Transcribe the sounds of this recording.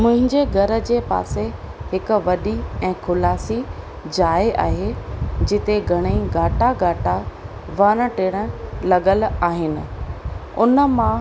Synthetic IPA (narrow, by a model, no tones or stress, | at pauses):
mʊ̃ɦɪ̃ɲd͡ʑeɡʱɐɾə̆d͡ʑeːpa̰ːse | hɪkʊ̆ʋɐɗiɛ̃ːkʰʊlaːsi | d͡ʑaːeʔa̰ːɦed͡ʑɪt̪eɡʱɐɽ̃əiɡaːʈaɡaːʈa | ʋaːɾ̃ə̃ʈeːɽ̃ə̆lɐɠəlaːɦɪnɪ̆ | ʊnəmã